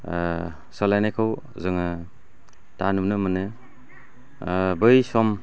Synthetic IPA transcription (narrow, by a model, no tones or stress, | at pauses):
sɔlajnekʰaw | zɯŋɯ | tanumnɯmɯne | bɯjsɔm